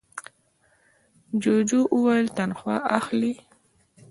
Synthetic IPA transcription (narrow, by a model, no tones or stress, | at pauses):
d͡ʒod͡ʒoʔuwajlt̪anxwɑʔaxli